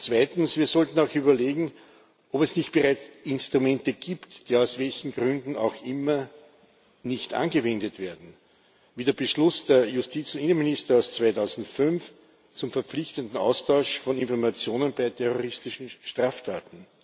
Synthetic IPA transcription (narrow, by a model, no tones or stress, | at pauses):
t͡sv̥aɪtn̩sv̥iːɐz̥ɔltn̩aʊxyːbɐleːɡŋ̩ | ʔopɛsnɪçt̚b̥eʁaɪt͡sɪnstʁ̥ʊmɛntəɡ̥iːptd̥iːaʊsv̥ɛlçn̩ɡʁʏndn̩a̰ʊxʔɪmɐ | nɪçtʔa̰nɡəvɛ̃ndətv̥eːɐdn̩ | viːdːɐb̥əʃlʊsd̥eɐjʊstiːt͡sʊntɪnənmɪnɪstɐaʊst͡sv̥aɪtʰaʊzn̩tfʏnf | t͡sʊmfɛɐp͡flɪçtəntn̩a̰ʊstʰɑʊʃfɔ̃nɪnfɔɐmat͡sjoːnənbaɪtʰɛʁoʁɪstɪʃn̩ʃtʁ̥aːftʰaːtn̩